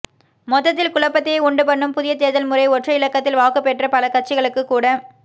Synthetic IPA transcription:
mɔt̪ːɐt̪̬ːɪlkʊlɐpːɐt̪ːeːʊɳɖɯpɐɳːɯmpʊðɪjɐt̪eːðɐlmʊrɐɪɔʈrɐɪlɐkːɐt̪ːɪlʋaːkɯpːɛʈrɐpɐlɐkɐʈ̚t͡ʃɪɣɐɭɯkːɯkːuːɽɐ

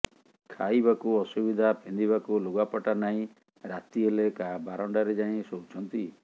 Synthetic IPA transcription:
kʰajbakuɔsubid̪ʱapʰend̪iβakuluɡapɔʈanaɦĩ | ɾat̪iɦelekabaɾɔɳɖaɾed͡ʒaĩsowt͡ʃʰɔnt̪i

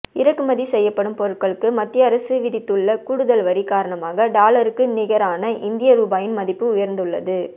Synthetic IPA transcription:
ɪɾɐkːɯmɐðisɛjːɐpːɐɽɯmpɔɾɯʈkːɐɭɯkːɯmɐt̪ːɪjɐɐɾɐsɯʋɪðɪt̪ːɯɭːɐkʊɽɯðɐlʋɐɾikaːɾɐɳɐmaːɣɐɖaːɭɐɾɯkːɯnɪɣɐɾaːnɐʔɪnd̪ɪjɐɾuːbaːjɪnmɐðɪpːɯʊjɐɾnd̪ɯɭːɐ̰ðɯ

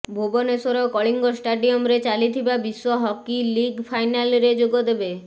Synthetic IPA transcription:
bʱobɔnesoɾɔkɔɭiŋɡɔsʈaɖiɔmɾet͡ʃalit̪ʰibabiswɔɦɔkiliɡpʰajnalɾed͡ʒoɡɔd̪ebe

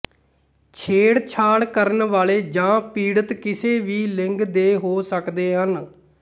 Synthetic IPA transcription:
t͡ʃʰeːɽt͡ʃʰaːɽkəɾənʋaːleːd͡ʒãːpiːɽət̪kɪseːʋiːlɪ̃ŋɡd̪eːɦoːsəkd̪eːɦən

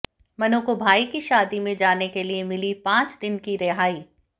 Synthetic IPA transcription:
mɐnõkobʱaːikiʃaːd̪imẽd͡ʒaːnekeliemɪlipãːt͡ʃd̪ɪnkiɾɛɦaːiː

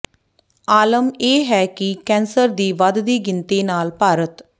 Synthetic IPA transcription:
aːləmeːɦɛːkɪkɛ̃ːnsəɾd̪iːʋəd̪d̪iːɡɪnt̪eːnaːlpaːɾət̪

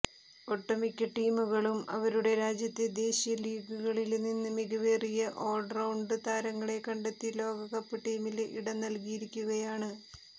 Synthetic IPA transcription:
o̞ʈːɐmikʲːɐʈːiːmuɣɐɭumɐ̰ʋɐɾuɽe̞ɾaːd͡ʑjɐt̪ːe̞d̪e̞ːɕijɐliːɡuɣɐɭilninːɨmiɣɐʋeːrijɐʔo̞ːɖrɐwɳɖɨt̪aːɾɐŋːɐɭe̞kɐɳɖet̪ːilo̞ːɡɐkɐpːɨʈiːmilḭɽɐnɐlkijiɾikʲːuɣɐjaːɳɨ

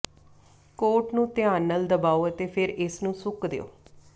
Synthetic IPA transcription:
koːʈnũːt̪ɪãːnːəld̪əbaːoːət̪eːpʰɪɾɪsnũːsʊkd̪ḛːo̰ː

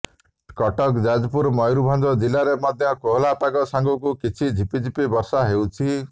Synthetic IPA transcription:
kɔʈɔkd͡ʒad͡ʒɔpuɾmɔjɾubʱand̪ɔd͡ʒilaɾemad̪ʱjɔkoɦlapaɡɔsaŋɡɔkukit͡ʃʰid͡ʒʱipid͡ʒʱipibɔɾsaɦewt͡ʃʰi

